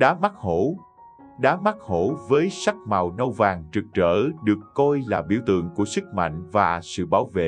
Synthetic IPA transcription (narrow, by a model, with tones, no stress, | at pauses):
ɗaː˨˦ma˦˥k̚ho˧˩ | ɗaː˨˦ma˦˥k̚ho˧˩˦vəː˨˦jsa˦˥k̚ma˨˩wnə˧wvaː˨˩ŋt͡ɕɨ˨˩k̚t͡ɕəː˧˩ɗɨ˨˩əkːɔ˧jlaː˨˩ɓḭ˧˩əwt̪ɨ̰˧˨əŋku˧˩əsɨ˦˥k̚ma̰˧˨jŋ̟vaː˨˩sɨ̰˧˨ɓaː˧˦wvḛ˧˨